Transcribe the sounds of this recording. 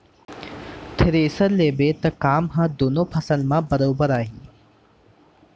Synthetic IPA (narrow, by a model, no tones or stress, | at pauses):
t̪ʰɪɾeːsəɾleːbeːt̪ɐkaːmɦãːd̪oːnoːpʰɐsəlmãːbɐɾoːbəɾaːɦiː